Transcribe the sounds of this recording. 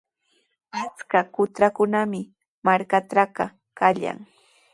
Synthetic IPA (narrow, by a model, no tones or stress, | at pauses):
at͡skakʊt̪ɾakʊnamɪ | maɾkaʈ͡ʂaɢɑ | kaʎa̰ŋ